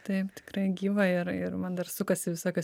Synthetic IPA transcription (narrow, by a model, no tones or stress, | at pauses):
t̪ɐɪpt̪ʲɪ̥kɾɐɪɡʲiːʋɐɪɾɪɾmɐnd̪ɐrsʊkɐsʲɪʋʲɪsoːkʲɛ